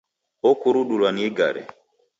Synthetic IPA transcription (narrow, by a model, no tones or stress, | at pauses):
okuɾuɗulwaniɡa̰ɾɛ̰